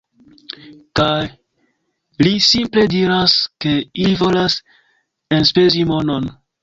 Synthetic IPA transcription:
kaj | lisimple̞diɾaske̞iivo̞las | enspe̞zimo̞no̞n

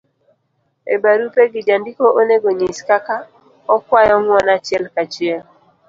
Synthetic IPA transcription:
ḛbaɾupeɡɪd͡ʒandikoʔoneɡoɲiskaka | ɔkwajɔŋwɔnat͡ʃɛlkat͡ʃjɛl

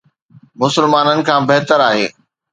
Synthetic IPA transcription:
mʊsɪlmaːnənɪ̆kʰãːbeɦt̪əɾaːɦḛː

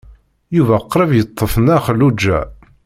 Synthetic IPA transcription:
juvæqːɾˤəvjət̪ˤːəfənæχəlːud͡ʒːæ̰

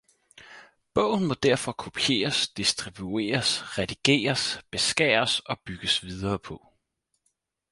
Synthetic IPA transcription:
b̥ɔʊ̰n̩mɒ̽d̥æɐ̰fɒ̽kʰo̝pʰie̝̰ːɐsd̥isd̥ʁib̥jue̝̰ːɐsʁɛd̥iɡ̥e̝̰ːɐsb̥e̝sɡ̥ɛ̰ːɐsɒ̽b̥yɡ̥əsʋið̞ˠɐːpʰɒ̽

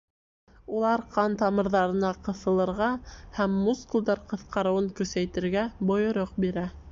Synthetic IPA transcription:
ulˠɑɾqɑnt̪ɑmɤ̆ɾðɑɾɤ̆nɑqɤ̆θɤ̆lˠɤ̆ɾʁɑhæmːuskulʲd̪ɑɾqɤ̆θqɑɾɤ̆wɤŋkɵ̆sæjt̪ɘ̆ɾɡæbŏjŏɾoq̚biɾæ

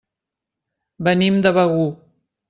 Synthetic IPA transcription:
bɐnimd̪aβaɣu

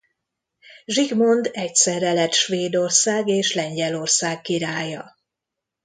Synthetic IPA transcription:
ʒiɡmo̞nd̪ɛcsɛɾɛlɛt̪ʃʋeːd̪o̞rsaːɡeːʃlɛɲɟɛlo̞rsaːkːiɾaːjɒ

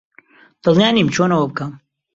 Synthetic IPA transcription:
d̪̥ɨlˠjaːnimt͡ʃʰoːnɐwɐbɨkɐm

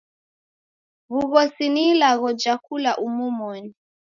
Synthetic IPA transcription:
βuɣɔsinilaɣɔd͡ʒakulaʔumumɔni

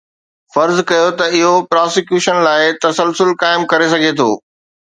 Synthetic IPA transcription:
fɐɾzkɐjot̪ɐɪɦopɾaːsɪkjuːʃənlaːɪt̪ɐsəlsʊlkaːɪmkɐɾesɐɡʱet̪ʰo̰ː

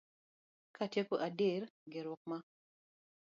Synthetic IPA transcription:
katjekoʔaderɡɪɾʊk̚ma

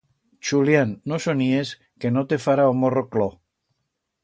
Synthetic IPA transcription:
t͡ʃuljanːosonies | kenot̪efaɾaomoroklo

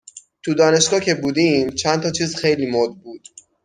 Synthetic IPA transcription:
t̪ʰud̪ɒːne̞ʃɡɒːcʰe̞buːd̪iːmt͡ʃʰænt̪ʰɒːt͡ʃʰiːzxe̞jliːmod̪̚buːd̪̥

